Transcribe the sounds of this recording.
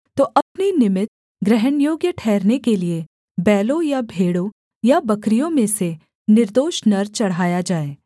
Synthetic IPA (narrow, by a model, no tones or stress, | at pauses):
t̪oːʔɐpninɪmɪt̪ | ɡɾɛɦənjoːɡjəʈʰɛːɾnekelie | bɛːlõjabʱeːɽõ | jabɐkɾijõmẽse | nɪɾd̪oːʃnɐɾt͡ʃɐɽ̤ɦaːjad͡ʒaːeː